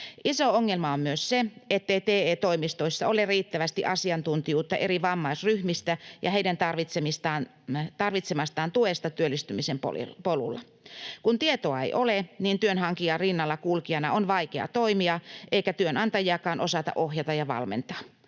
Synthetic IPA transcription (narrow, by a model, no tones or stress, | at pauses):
ʔisooŋːelmɑommyøsseet̪ːeit̪eːeːt̪oimist̪oisːɑoleriːt̪ːæʋæst̪iʔɑsiɑnt̪unt̪ijuːt̪ːɑʔeɾiʋɑmːɑisryhmist̪æjʔɑheidænt̪ɑrʋit̪semist̪ɑːn | t̪ɑrʋit̪semɑst̪ɑːnt̪uest̪ɑt̪yølːist̪ymisempo̰polṵlːɑ̰ | kunt̪iet̪oɑḛjʔoleniːnt̪yønɦɑŋkiɑrinːɑlːɑkulkiɑnɑonʋɑikeɑ̰t̪oimiɑʔeikæt̪yønɑnt̪ɑjiɑkɑːnʔosɑt̪ɑ̰ʔohjɑt̪ɑjɑʋɑ̰lmḛnt̪ɑ̥ː